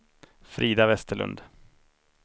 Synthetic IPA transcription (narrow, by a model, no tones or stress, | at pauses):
fɾiːd̪avɛst̪əɭɵ̰nd̪